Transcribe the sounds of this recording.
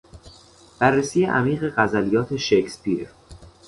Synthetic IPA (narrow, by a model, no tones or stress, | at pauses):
b̥ærːesiːjeʔæ̰miːɣe̞ɢæzælijɒːt̪ʰe̞ʃekspiɾ